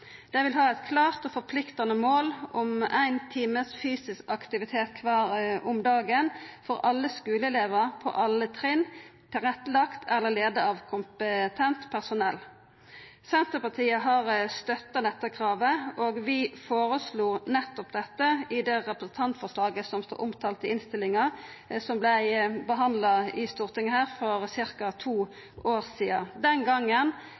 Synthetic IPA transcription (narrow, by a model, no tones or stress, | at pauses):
d̪̥ɛʋɪlɦɑːɛɪt̪kʰlɑːʁt̪ɔfɔʁpʰlɪkt̪ɑnəmoːlɔmæɪnt̪ʰiːməsfyːsɪskɑkt̪ɪʋɪt̪ʰeːt̪kʰʋɑːɾʊmd̪ɑːɡənfɔʁʔɑlːəskʉːləɛleːʋəpʰɔ̰ʔɑlːət̪ʰʁɪnt̪ʰɪʁɛt̪ːəlɑkt̪ʰɛlːəleːd̪əɑʋkʰʊmpət̪ʰɛnt̪pʰæʁsʊnɛl | sɛnt̪əpɑt̪ʰiːəɦɑʁst̪œt̪ːɑnɛt̪ːəkʰʁɑːʋəoːɡʋɪfoːʁəsluːnɛt̪ːɔpd̪ɛt̪ːəɪd̪ɛʁɛpɾəsn̩t̪ʰɑnt̪fɔʁʂlɑːɡəsɔmst̪o̰ːʔʊmt̪ʰɑːlt̪əɪnst̪ɪlːɪŋɑ | sɔmblæɪbəɦɑnd̪lɑɪst̪uːʁt̪ɪŋəhæːʁfɔʁsɪɾkɑt̪ʰuː | ʔoːʁsiːɑd̪ɛnɡɑŋːən